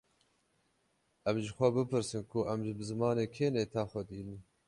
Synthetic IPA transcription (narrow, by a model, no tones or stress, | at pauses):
ʔɛmʒɪxʷɛbɨpʰɨɾsɨnkʰʊʔɛmʒɪbɨzɨmɑːneːkʰeːneːt̪ʰɑːxʷɛd̪iːlɨm